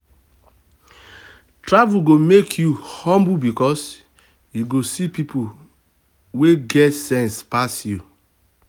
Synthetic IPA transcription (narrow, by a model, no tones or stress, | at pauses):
tɹavuɡomekʰjuhɔ̃mbubikɔs | juɡosipipʰo | weɡɛtsɛ̃nspasju